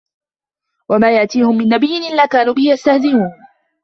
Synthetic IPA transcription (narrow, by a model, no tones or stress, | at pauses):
wamaːjaʔt̪iːhʊmːɪnːabɪjːɪnʔɪlːaːkaːnuːbɪhɪjast̪ahzɪmuːn